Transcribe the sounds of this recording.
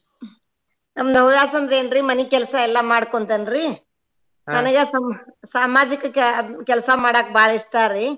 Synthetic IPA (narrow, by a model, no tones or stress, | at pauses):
nɐmːnɐʋʋjaːsɐnd̪ɾeːnɾimɐnikɛlsɐɛlːɐmaːɽkoɳt̪anɾi | nɐnɐɡesɐmsaːmaːd͡ʒikɐkkɛlsɐmaːɽak̚baːɭɐiʂʈaɾi